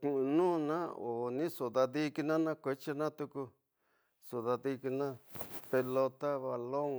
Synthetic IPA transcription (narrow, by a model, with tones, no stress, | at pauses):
ku˨ũ˧nũː˦nã˦o˨nĩ˦so˨ða˧ði˧ki˧nã˦nã˦kʷe˧t͡ʃi˦nã˦t̪u˧ku˧ | su˨ða˧ði˧ki˧nã˦pe˧lo˧t̪a˦βa˧lo˦ŋ